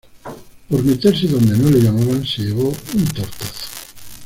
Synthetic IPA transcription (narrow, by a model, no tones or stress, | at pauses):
poɾmet̪eɾs̬eðond̪enoleʎamaβanseʎeβ̞ount̪oɾt̪aθo̥